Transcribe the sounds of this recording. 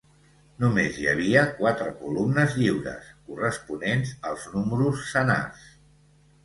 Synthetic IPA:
numezjə̰β̞iəkwat̪ɾəkulumnəzʎiwɾə̰skurəspunenzəlˠznuməɾusːəna̰s

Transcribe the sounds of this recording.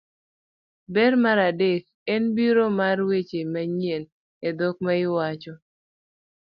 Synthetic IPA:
bɛrmaɾadek̚ | ɛnbiɾomarwet͡ʃemaɲjen | edɔk̚maɪwat͡ʃɔ

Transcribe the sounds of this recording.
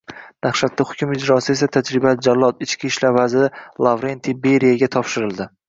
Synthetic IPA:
naχʃat̪ʰːahʊ̥kʲʊmɪd͡ʒɾɒsɪe̞sat̪ʰad͡ʒɾɪbad͡ʒalˠːɒt̪ɪt͡ʃkʲʰiʃlaɾvazɪɪlˠavɾent̪ʰibeɾijaɡʲat̪ʰɒpʃɪɾɪld̪ɪ

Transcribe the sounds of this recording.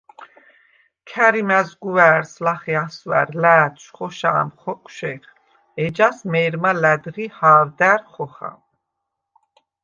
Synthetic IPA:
kʰæɾimæzɡuvæɾslaχiaswæ̰ɾlæːt̪ʰʃχɔʃa̰ːmχɔkʼʃɛɾ | ɛd͡ʒasmɛːɾmalæd̪ʁihaːɾd̪æɾχɔχa̰

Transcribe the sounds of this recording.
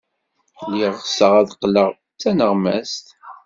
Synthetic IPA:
lːiʁsəʁæðqːləʁ | t͡sːænəʁmæ̰st̪

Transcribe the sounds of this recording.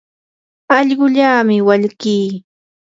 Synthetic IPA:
ɑʎɢʊʎaːmɪwaʎkiː

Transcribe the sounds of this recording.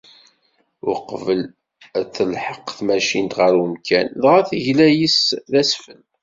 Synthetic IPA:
ʊəqvəl | æt͡sːəlħəqθmæʃint̪ʁəɾəmkænðʁæθəʝlæjisðæsfən

